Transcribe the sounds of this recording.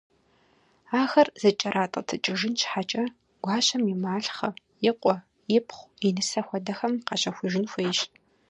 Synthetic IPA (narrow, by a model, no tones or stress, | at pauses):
aːxɐrz̥ɐt͡ʃʼɐɾʔaːtʼɐ̰tʰɨt͡ʃʼɪʒɪnt͡ʃʰħat͡ʃʼɐ | ɡ̥ʷɑːɕʼɐmimaːɬχɐ | jɪqʷʼɔ | jɪpʰχʷinɨsɐxʷɔdɐxɐmqɐɕʼɐxʷʊʒɪnxʷejʃ